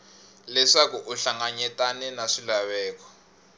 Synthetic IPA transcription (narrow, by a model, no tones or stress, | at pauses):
lɛʂakuʔuɬaŋaɲɛtʼanɛnaʂilaβɛːkɔ̥